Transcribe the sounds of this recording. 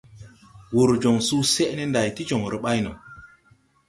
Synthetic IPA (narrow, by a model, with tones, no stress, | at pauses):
wu˨ɾd͡ʒo˨ŋsu˦se˦ʔne˦nda˨jti˦d͡ʒo˨ŋɾi˨ɓa˦jno̰˨